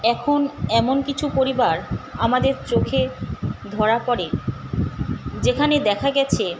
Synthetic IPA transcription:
ɛkʰonɛmonkit͡ɕʰupoɾibaɾamad̪eɾt͡ɕokʰed̪ʱɔɾapɔɾe | d͡ʑekʰaned̪ɛkʰaɡɛt͡ɕʰe

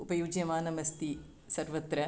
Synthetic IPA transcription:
upɐjuːd͡ʒjɐmaːnɐmɐst̪i | sɐɾʋɐt̪ɾɐ

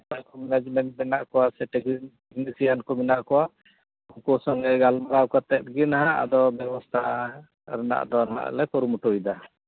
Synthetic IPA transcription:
pajkɔmɛnɛd͡ʒmɛɳʈ̚mɛnaʔkɔwasɛʈɛɡ | ɛɡnisijankɔminaʔkɔwa | uŋkɔsɔŋɡɛɡalmaɾawkat̪ɛt̪̚ɡinaɦaa̰d̪ɔbjɛbɔst̪ʰa | ɾɛna̰ʔd̪ɔna̰ʔlɛkɔɾumuʈojd̪a

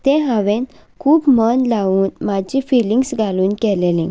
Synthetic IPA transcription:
t̪ẽɦãʋẽn | kʰuːbmənlaʋuːnmad͡ʑifiliŋɡsɡʱaluːnkɛlelĩ

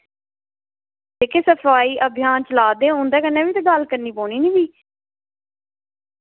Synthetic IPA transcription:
teːkeːsəpʰaːiːʔəbʱɪjaːnt͡ʃəlaːd̪eːɦõːnd̪ɛːkənːẽːbiːt̪eːɡəlkəɾniːpoːniːniːbiː

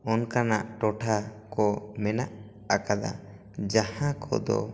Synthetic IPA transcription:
ɔnkanaʔʈɔʈʰakɔmɛnaʔ | akad̪a̰ | d͡ʒahãkɔ̰d̪ɔ̰

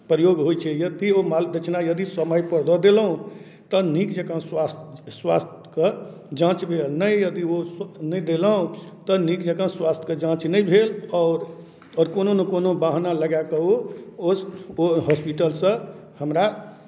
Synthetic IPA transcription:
pɾəjoɡɦojt͡ʃʰɛjəd̪iomald̪ət͡ʃʰnajəd̪isəməjpəɾd̪ɔd̪eləũ | t̪ənikd͡ʒəkə̃swast̪swast̪ʰkə | d͡ʒãt͡ʃbʱelnəjjəd̪iosnəjd̪eləũt̪ənikd͡ʒəkə̃swast̪ʰkəd͡ʒãt͡ʃnəjbʱelɔːɾ | ɔːɾkononekonobaɦnaləɡakəoo | ɦɔspiʈəlsə̃ | həmɾa

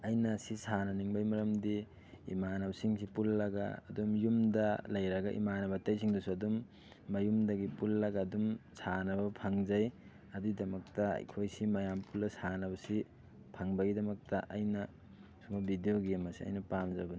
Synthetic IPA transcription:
ɐjnɐsisanɐniŋbajmɐɾɐmdi | ḭmanɐbɐsiŋsipulːɐɡa̰ːdumjumdɐlɐjɾɐɡaʔḭmanɐbɐtɐjsʰiŋdusuɐdumː | ɐjumdɐɡipulːɐɡaːdumsʰanɐbɐpʰɐŋd͡ʒɐj | ɐdidɐmɐk̚tɐ̰jkʰojsimɐjampuldɐsanɐbɐsi | pʰɐŋbɐɡidɐmɐk̚tɐʔɐjnɐ | sumabidijoɡemɐsiɐ̰jnɐpamzɐbɐn

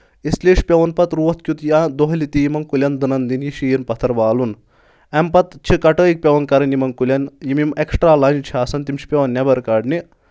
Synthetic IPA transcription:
isleːʂpʲeʋɐnpɐt̪ɾuʋɐt̪̚ʰkʲut̪jad̪oɦɐlit̪ijimɐnkulʲɐnd̪ɨnɐnd̪injiʃijɐnpɐt̪ʰɐɾʋaːlun | ɐmpɐt̪t͡ʃʰikɐʈəːjik̚pʲɐʋɐnkɐɾɐnimɐŋkulʲɐnjimimeksʈɾaːlɐnt͡ʃʰaːsɐnt̪imt͡ʃʰi̥pʲeʋɐnːɐbɐɾkaɖni

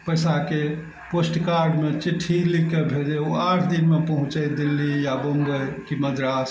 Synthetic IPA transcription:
pəjsake | posʈkaɾɖmet͡ʃiʈʰːilikːebʱed͡ʒeoaʈʰd̪inmepəɦũt͡ʃɛd̪ilːijabomɡəjkiməd̪ɾas

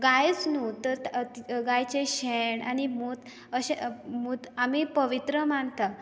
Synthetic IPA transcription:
ɡajt͡snut̪əɾiɡajt͡ɕeɕeɳa̰nimuːt̪ | əɕemuːt̪amipəʋit̪ɾəmant̪a

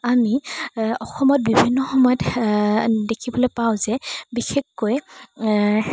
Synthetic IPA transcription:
amiɔxɔmɔt̚bibʱinːɔxɔmɔjɔt | dekʰibɔlojpawzɛbixekːoj

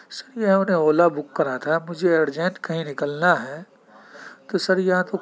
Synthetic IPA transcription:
sɐɾjeɦɐmnẽoːlabʊkːɐɾat̪ʰamʊd͡ʒʱeeːɾd͡ʒẽɳʈkɐɦĩnɪkəlnaɦɛː | t̪osɐɾjɐɦãt̪o

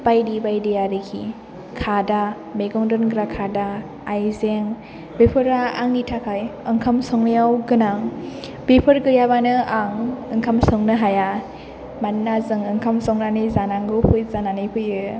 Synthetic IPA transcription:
bajdibajdijaɾɯkʰḭ | kʰada | meɡɔŋdɔnɡɾakʰadaː | jzeŋ | bepʰɯɾaːŋitʰakʰajɯŋkʰamsɔŋnɯjawɡɯnaŋ | bepʰɯɾɡɯjaβanɯaŋɯŋkʰamsɔŋnɯɦaja | manːazɯŋɯŋkʰamsɔŋnanɯjzanaŋɡɯwpʰɯjzananɯjpʰɯjɯ

